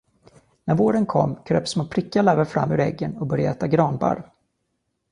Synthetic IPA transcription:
næɾvoːɾənkʰɔ̰mːkʰɾø̰ːpsmoːpʰɾɪkːaɭɛvəɾfɾa̰mːʉ̟ːɾɛɡːənɔbœɾjaɛːt̪aɡɾɑːnba̰ɾ

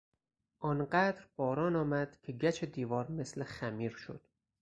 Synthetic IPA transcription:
ʔɒnɢæd̪ɾb̥ɒːɾɒːnɒːmæd̪̥kʲʰe̞ɡæt͡ʃʰed̪iːvɒːɾme̞slexæmiːɾʃo̰d̪̥

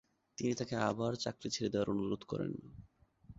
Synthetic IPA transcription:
t̪init̪akeabaɾt͡ɕakɾit͡ɕʰeɾed̪eoaɾonuɾod̪kɔ̰ɾḛn

